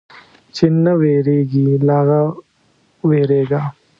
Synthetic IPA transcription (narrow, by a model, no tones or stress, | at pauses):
t͡ʃinːɐʋeːɾeːɡilaːɡɐ | ʋeːɾeːɡa